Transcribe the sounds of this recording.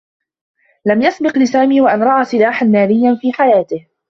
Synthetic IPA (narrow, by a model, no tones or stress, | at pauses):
lamjasbɪqlɪsaːmiːwaʔanɾˤɑʔaːsˤɪlaːħanmaːlɪjːanfiːħajaːt̪ɪh